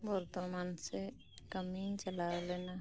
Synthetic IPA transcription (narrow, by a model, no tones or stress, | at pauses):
bəɾt̪omaːnse | kəmit͡ʃəlaːwleːna